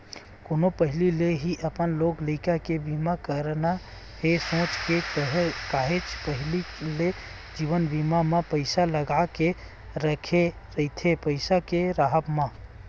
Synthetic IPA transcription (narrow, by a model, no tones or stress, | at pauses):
konopəɦilileɦiʔəpənlokləɪkakebimakəɾna | hesõt͡ʃkekəɦkaɦet͡ʃʰpəɦilile | d͡ʒiʋənbimamepəɪsaləɡake | ɾəkʰe | ɾəɪt̪ʰepəɪsakeɾaɦəpmã